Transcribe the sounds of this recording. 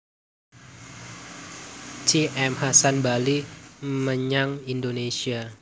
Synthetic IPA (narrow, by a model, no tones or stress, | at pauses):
t͡ʃiʔɛmhasanbaliməɲaŋindonesia